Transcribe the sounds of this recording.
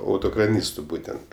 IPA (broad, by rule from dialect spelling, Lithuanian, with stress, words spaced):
ˈɐʊtoːkrɐˌnʲiːstʊ ˈbuːtʲɛnt